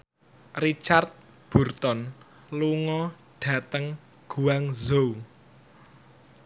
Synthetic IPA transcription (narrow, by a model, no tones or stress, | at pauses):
rit͡ʃart̪̚ | b̥ṳrt̪ɔn | luŋɔ | ɖ̥ä̤t̪əŋ | ɡ̥uaŋzow